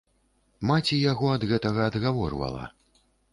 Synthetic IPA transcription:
mat͡sʲijaɣɔɐd̪ɣɛt̪ɐɣɐːd̪ɣavɔrvɐ̰lˠɐ̰

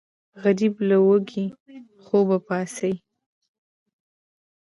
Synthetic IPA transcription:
ɣaɾiblawəɡi | xobapɑsaj

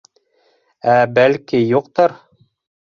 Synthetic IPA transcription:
æbælkijuqt̪ɤɾ

